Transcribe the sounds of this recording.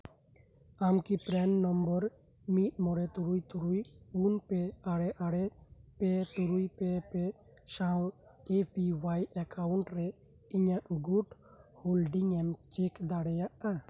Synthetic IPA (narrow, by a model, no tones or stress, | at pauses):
amkipɾɛnːɔmbɔɾ | mit̪̚mɔɽɛt̪uɾujt̪uɾuj | unpɛaɽɛʔaɽɛ | pɛt̪uɾujpɛpɛ | saw | epʰiwajʔakʰawɳʈɾɛ | iɲaʔɡuʈ | holɖiŋɛmt͡ʃikd̪aɽɛjaʔa